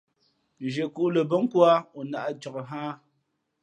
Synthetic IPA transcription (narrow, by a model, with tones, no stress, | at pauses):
d͡ʒe˨ku˦˨ʔlə˨bə˦ŋ˦kwa˦u˨na˨ʔa˦t͡ʃɔ˨kɦaː˦